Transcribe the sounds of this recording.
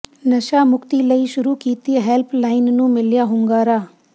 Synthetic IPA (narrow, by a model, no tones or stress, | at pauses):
nɐʃaːmʊkt̪iləiʃʊɾuːkiːt̪iɦɛːlpʰlaːɪnnũːmɪljaːɦʊ̃ŋɡaːɾaː